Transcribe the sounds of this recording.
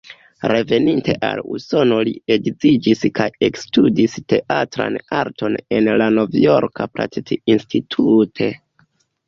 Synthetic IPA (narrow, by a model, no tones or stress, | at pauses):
ɾe̞ve̞ninte̞̰ʔaluso̞no̞lie̞ɡzid͡ʒiskʰaje̞kstudiste̞ʔatɾa̰naɾto̞ne̞nlano̞vjoɾkʰapla̰tetiinstitʰutʰe̞